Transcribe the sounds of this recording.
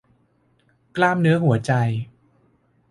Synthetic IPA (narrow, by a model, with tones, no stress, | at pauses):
klaː˥˩mnɯ˦˥ɐɦu˩˦ɐt͡ɕa˧j